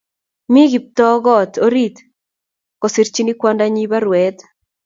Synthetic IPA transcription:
mi˦ɣi˨p̚t̪ɔ˦ɣɔ˦˨t̪o˦ɾi˦t̪ | kɔ˨si˨ɾt͡ʃi˦ni˦kwa˦nda˦ɲi˦βa˦ɾwɛ˨t̪

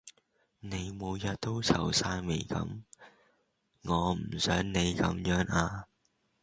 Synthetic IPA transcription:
ne˨˧jmo˨˧wjɐ˨t̚t̪o˥wt͡sʰɐ˨˩wsaː˧jme˨˩jkɐ̰˨˥m | ŋɔː˨˧m̩˨˩sœː˨˥ŋne˨˧jkɐ̰˨˥mjœː˨˥ŋaː˧

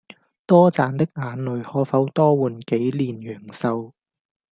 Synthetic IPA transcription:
t̪ɔː˥t͡saː˨nt̪ɪ˥k̚ŋaː˨˧nlɵ˨ɥhɔː˨˧˥fɐ˨˥wt̪ɔː˥wuː˨˩nke˨˥jliː˨njœː˨˩ŋsɐ˧w

